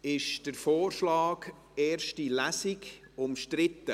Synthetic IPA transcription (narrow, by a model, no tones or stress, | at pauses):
ɪʃd̥əɾfoːrʃlɑːɡ | eːrʃtilæsɪɡ | ʊmʃtɾɪtːə